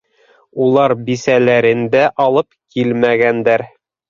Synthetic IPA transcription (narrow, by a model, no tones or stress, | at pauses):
ulˠɑɾbisælæɾɘ̆nd̪æʔɑlˠɤpkilmæɡænd̪æɾ